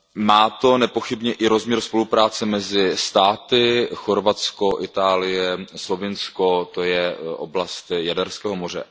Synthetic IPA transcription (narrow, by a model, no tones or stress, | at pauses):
maːt̪o̞nɛpoxɪbɲɛʔɪɾo̞zmɲɛɾspo̞lupɾaːt͡sɛmɛzɪst̪aːt̪ɪxo̞ɾvat͡sko̞ʔɪt̪aːlɪjɛslo̞vɪnsko̞t̪o̞jɛʔo̰blast̪jadɛɾskɛːɦomor̝ɛ̰